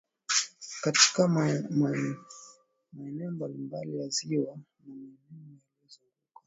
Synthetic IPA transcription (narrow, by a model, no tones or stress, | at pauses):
kati̥ka | maɛnɛɔmbalimbalijaziwa | namaɛnimujalɛzɔkuka